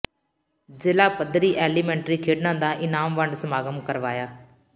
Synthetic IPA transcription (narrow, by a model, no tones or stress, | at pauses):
zɪlaːpəd̪ɾiːʔɛːliːmɛ̃ːɳʈɾiːkʰeːɖnãːd̪ãːʔɪnaːmʋəɳɖsəmaːɡəmkəɾʋaːjaː